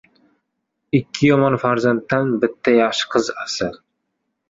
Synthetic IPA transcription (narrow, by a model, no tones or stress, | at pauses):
ɪkʲʰːɪjɒmɒnfaɾzant̪ːanbɪt̪ʰːajɑχʃɨ̥qʰɨzasɪl